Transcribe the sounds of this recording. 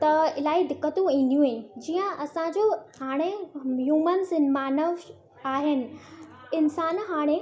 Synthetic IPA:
t̪ɐɪlaːid̪ɪkːət̪ũĩːn̆d̪ijũɦẽd͡ʑiːə̃ɐsãd͡ʑohaːɽ̃ejuːmənsɪnmaːnəʋ | aːɦɪnɪ̆ | ɪnsaːnɦaːɽ̃e

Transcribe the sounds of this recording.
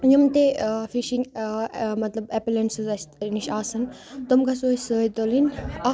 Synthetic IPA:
jumt̪efiʃiŋɡmɐt̪lɐbepilensɨzɐst̪niʃaːsɐnt̪omkasoːsəːjt̪olinʲɐ

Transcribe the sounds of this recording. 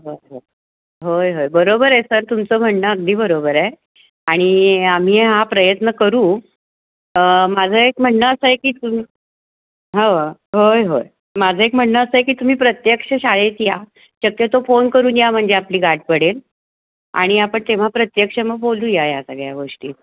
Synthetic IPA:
ɦoɦo | ɦojɦojbəɾobəɾesəɾt̪umt͡som̤əɳnəəɡ̚d̪ʱiːbəɾobəɾe | aɽ̃iam̤iːɦapɾəjət̪nəkəɾũː | mad͡zʱəekm̤əɳːəəsəjekiːt̪umi | ɦəʋəɦojɦoj | mad͡zʱəekm̤əɳːəəsəjekiːt̪um̤iːpɾət̪jəkʂəɕaɭet̪ja | ɕəkjət̪ofonkəɾuːnjam̤əɳd͡zeapliːɡʱaʈ̚pəɽel | a̰ɽ̃iapəɳt̪eʋ̤apɾət̪jəkʂəməɡ̚bolt̪ujajasəɡɭjaɡoʂʈiː

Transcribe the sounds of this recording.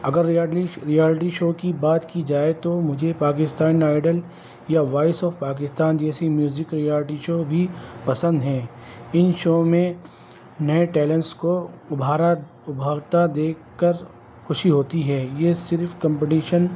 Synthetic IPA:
ɐɡəɾɾijaːlɪʈ̬iʃoːkibaːt̪kid͡ʒaːet̪omʊd͡ʒʱepaːk̬ɪst̪aːniaːɪɖəl | jaʋaːɪsɔːfpaːk̬ɪst̪aːnd͡ʒɛːsemjuːzɪkɾijaːlɪʈiʃoːbʱipɐsə̃nd̪ɦɛ̃ːɪnʃoːmẽ | nɐeʈɛːlẽnʈskoʊbʱaːɾa | ʊbʱaːɡt̪ad̪eːkːəɾ | xʊʃiɦoːt̪iɦɛːjeːsɪɾfkɐ̃mpeʈiːʃən

